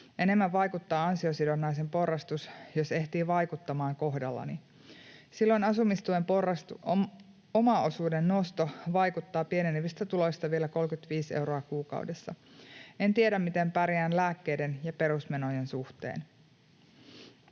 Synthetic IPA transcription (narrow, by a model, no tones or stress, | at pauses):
ʔe̞ne̞mːæʋʋɑjkut̪ːɑːɑnsio̞sidonːɑjs̬e̞mpo̞rːɑst̪usjose̞ht̪iːʋɑjkut̪ːɑmɑːŋko̞ɦdɑlːɑ̰ni | silːo̞jnɑsumist̪uemporɑs | omɑosuːdenːost̪o̞ʋɑjkut̪ːɑːpie̞neniʋist̪æt̪ulo̞jst̪ɑʋie̞læko̞lkyt̪ʋiːsewɾoɑkuːkɑ̰wdesːɑ̰e̞nt̪iedæmːmit̪e̞mpæɾjæːnlæːkːe̞jde̞njɑpe̞ɾusme̞no̞je̞nsuht̪ḛːn